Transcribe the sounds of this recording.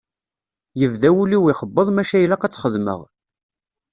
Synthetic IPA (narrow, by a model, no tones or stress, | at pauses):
jəvðæwuliwiχəbːəðˤmæʃæjlæqæt͡sːχəðmə̰ʁ